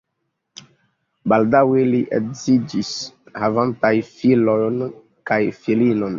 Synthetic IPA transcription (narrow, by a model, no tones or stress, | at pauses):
baldaweliʔekzid͡ʒishavantajfilojn | kajfilinon